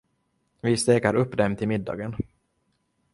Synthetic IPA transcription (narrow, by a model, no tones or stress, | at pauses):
vɪst̪eːkaɾɵpːd̪ɛmt̪ʰɪlmɪd̪ːɑ̰ːɡən